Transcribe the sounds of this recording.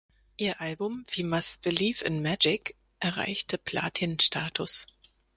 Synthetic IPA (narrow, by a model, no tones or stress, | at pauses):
ʔiːɐʔalbʊmv̥iːmasb̥ɪliːfɪ̰nmæd͡ʒɪk | ʔɛɐʁa̰ɪçtʰəpʰl̥a̰ːtʰinʃtʰaːtʰʊs